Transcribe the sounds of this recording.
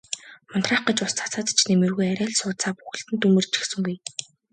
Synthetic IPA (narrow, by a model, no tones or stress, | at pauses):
mʊnt̪raːχɢə̆t͡ɕʊst͡sʰḁt͡saːt̪t͡ɕʰnemɘ̆rɣujæɾʲæːɮsʊːt͡saːpu̥xɘ̆ɬt̪ɘ̆nt̪umɘ̆rt͡ɕi̥xsɘ̆ŋɡuj